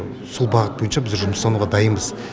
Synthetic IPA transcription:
sulˠbɑʁət̪̚bojənʃɑbɪzʒʊməsɑnuʁɑd̪ɑjənbəz

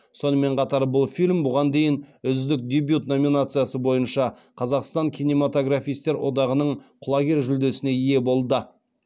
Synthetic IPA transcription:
so̞nəme̞ɴqʰɑt̪ɑɾbʊlˠfilʲmbʊʁɑnd̪e̞jɪnʏzd̪ɪk̚d̪ʲebjut̪no̞mʲinat̪sɨjasəbo̞jənʃɑ | qʰɑzɑqst̪ɑŋkʲʰijnʲe̞mat̪o̞ɡɾafʲijst̪e̞ɾwʔo̞d̪ɑʁənəɴqʰʊlˠɑɡʲe̞ɾʒʏld̪e̞sɪne̞ije̞bo̞lˠd̪ə

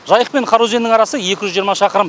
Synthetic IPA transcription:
ʒɑjəq̚pe̞ɴqʰɑɾuze̞nd̪ɪŋɑɾɑsəje̞kʲɪʒʏzʒijəɾmɑʃɑqəɾəm

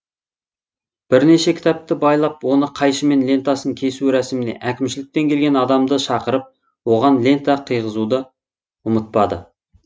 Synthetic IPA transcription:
b̥ɪɾneʃe̞kʲʰɪ̥t̪ɑp̚t̪ɪbɑjlˠɑp̚wo̞nəqʰɑjʃəme̞nlʲe̞nt̪asəŋkʲʰe̞suɾæsɪmɪne̞̰ʔækʲɪmʃɪlɪk̚t̪e̞ŋkʲʰe̞lɡʲe̞nɑd̪ɑmd̪əʃɑqəɾəp̚ | wo̞ʁɑnle̞nt̪ɑqʰijʁəzud̪ə | ʊmət̪̚pɑd̪ə̰

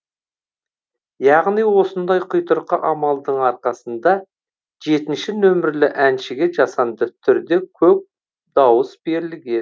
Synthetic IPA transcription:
jɑʁnijwo̞sənd̪ɑjqʰʊjt̪əɾqəʔɑmɑlˠd̪əɴɑɾqɑsənd̪ɑ | ʒe̞t̪ɪnʃɪnɵmɪɾlɪʔænʃɪɡʲe̞ʒɑsɑnd̪ət̪ʰʏɾd̪e̞kʲʰɵp̚ | d̪̥ɑwəsbe̞ɾɪlɪɡʲe

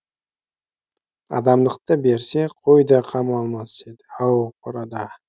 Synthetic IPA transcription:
ɑ̰d̪ɑmlˠəqt̪əbe̞ɾseqʰojd̪ɑqʰɑmɑlˠmɑsed̪ɪɑwqʰoɾɑd̪ɑ

